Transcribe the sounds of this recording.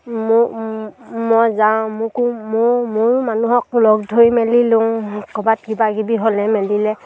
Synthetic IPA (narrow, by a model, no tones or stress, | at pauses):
m | mɔjzaʊ̃mʊkumʊmʊɹmanuɦɔk̚lɔɡdʱojmɛlilʊŋkɔbat̚ɡibaɡibiɦɔlɛmɛlilɛ